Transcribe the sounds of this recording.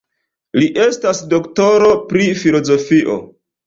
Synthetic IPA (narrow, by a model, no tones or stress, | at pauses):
liʔe̞stasdo̞kto̞ɾo̞pɾifilo̞zo̞fiʔo̞̰